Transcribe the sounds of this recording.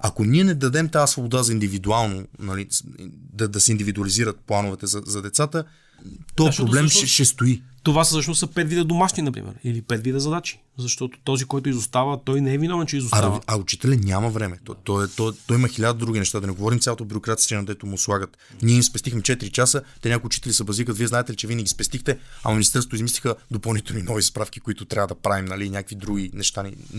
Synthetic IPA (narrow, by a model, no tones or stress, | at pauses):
ɐkoniɛnɛd̪ɐd̪ɛmt̪aːsvobod̪azɐind̪ivid̪ualˠnonɐliḭd̪ɐd̪ɐsɛind̪ivid̪uɐliziɾət̪̚plˠanʊvɛt̪ɛzɐzɐd̪ɛt̪sat̪ə | t̪ɔpɾoblɛmʃɛʃɛst̪oit̪ovasɐʃnosɐpɛd̪vid̪əd̪omaʃninɐpɾḭmʔɛ̰ɾilipɛd̪vid̪əzɐd̪at͡ʃi̥ | zɐʃt̪ɔt̪o̥t̪ɔzikɔjt̪ʊizost̪avət̪ɔjnɛɛvinɔvɛnt͡ʃɛizosaɐʊt͡ʃi̥t̪ɛlɛnʲamɐvɾɛmɛt̪t̪ɔɛt̪ɔt̪ɔimɐxilʲad̪əd̪ɾuɡ̟ʲinɛʃt̪ad̪ɐnɛɡovɔɾimt̪sʲaot̪obʲjuɾokɾat̪si̥st̪ɛnɐd̪ɛt̪ʊmʊslˠaɡət̪ | niɛimspɛst̪ixmɛt͡ʃɛt̪iɾit͡ʃasət̪ɛɲakʊiʊt͡ʃit̪ɛlʲisɛbɐzvikət̪viɛzaɛt̪ɛlit͡ʃɛviɛnɛɡʲispɛst̪ixt̪ɛɐ̰mɐminist̪ɛɾst̪ʊizmislixəd̪opɐlˠnit̪ɛlˠninɔvispɾafkʲi̥kʊit̪ʊt̪ɾʲavəd̪ɐpɾavimnɐlinʲakvid̪ɾuɡ̟ʲinɛʃt̪ani